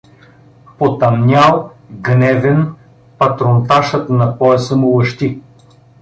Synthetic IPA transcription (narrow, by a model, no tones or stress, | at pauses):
pot̪ɐmnʲalˠɡnɛvɛn | pɐt̪ɾont̪aʃət̪nɐpɔɛsəmolɐʃt̪i